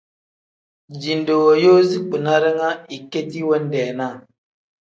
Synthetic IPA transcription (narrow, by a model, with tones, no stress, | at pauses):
d͡ʒi˨n˨do˨wo˨jo˦zi˦k͡pi˨na˦ɾɛ˦ŋa˦i˨ke˦ti˦wɛ˦n˦dɛː˨na˦˨